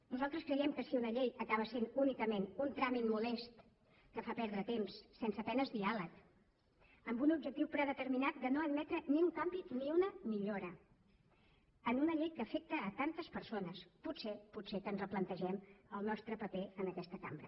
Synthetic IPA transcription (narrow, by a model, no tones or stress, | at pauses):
nuzalˠt̪ɾəskɾəjɛmkəsiunəʎejəkaβəsenunikəmenunt̪ɾamit̪̚mulɛst̪ | kəfapɛɾðɾət̪emsːɛnsəpɛnəzðialək | əmbunubʒək̚t̪iwpɾəðət̪əɾminat̪̚d̪ənoəd̪mɛt̪ɾəniuŋkambiniunəmiʎoɾə | ənunəʎejkəfek̚t̪əːt̪ant̪əspəɾsonəspuseputsekənzrəplənt̪əʒɛməlˠnɔst̪ɾəpəpeənəkɛst̪əka̰mbɾə